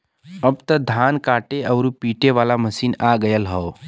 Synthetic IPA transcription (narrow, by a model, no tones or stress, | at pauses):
əbt̪əd̪ʱaːnkaːʈeʔəʊɾupiːʈeʋaːlaməsiːnaːɡəjəlɦɔː